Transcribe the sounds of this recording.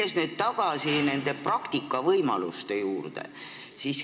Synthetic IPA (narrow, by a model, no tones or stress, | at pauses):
esned̪̥t̪ɑɡ̥ɑsine̞nd̪̥e̞prɑkt̪ikːˑɑvɤjmɑ̰lṵst̪e̞juːrd̪̥ḛ | sis